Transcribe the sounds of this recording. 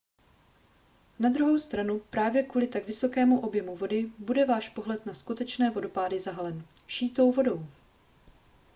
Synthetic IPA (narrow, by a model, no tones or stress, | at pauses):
nad̪ɾuɦo̞wst̪ɾanupɾaːvjɛkvuːlɪt̪aɡvɪso̞kɛːmuʔo̞bjɛmuvo̞dɪbudɛvaːʃpo̞ɦlɛt̪naskut̪ɛt͡ʃnɛːvo̞do̞paːdɪzaɦalɛn | ʃiːt̪o̞wvo̞do̞w